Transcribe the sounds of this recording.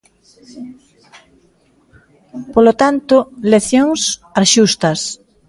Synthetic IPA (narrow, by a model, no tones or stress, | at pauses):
polot̪ant̪ʊleθjoŋsaðʃust̪ɐs